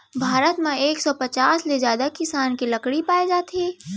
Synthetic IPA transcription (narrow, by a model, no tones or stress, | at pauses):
bʱaːɾət̪mẽeːksɔpət͡ʃaːsled͡ʒjaːd̪akɪsaːnkilɐkɽipaːed͡ʒaːt̪ʰeː